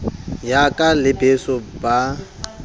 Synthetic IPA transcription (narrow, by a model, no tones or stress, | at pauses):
jakʼalɪbesɔba